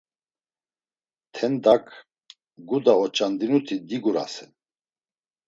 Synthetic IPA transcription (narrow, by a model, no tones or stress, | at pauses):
t̪ʰɛnd̪akʰ | ɡud̪aɔt͡ʃʼand̪inut̪ʰid̪iɡuɾa̰sɛn